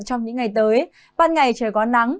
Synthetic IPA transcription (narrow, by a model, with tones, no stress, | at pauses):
t͡ɕɔ˧wŋ͡mɲɨ̰˧˥ŋːa˨˩jt̪əː˨˦j | ɓaː˧nŋa˨˩jt͡ɕəː˧˩jkɔ˨˦na˨˦ŋ